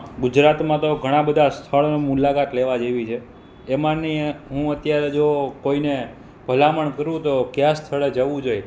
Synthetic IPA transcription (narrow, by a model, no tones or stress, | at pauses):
ɡud͡ʒɾat̪mãt̪oɡʱəɽ̃ãbəd̪ʱast̪ʰəɭonomulakat̪leʋad͡ʒeʋit͡ʃʰeː | mãniɦũət̪jaɾed͡ʒokoine | b̥ʱəlaməɳkəɾũt̪okjãst̪ʰəɭed͡ʒəʋũd͡ʒoj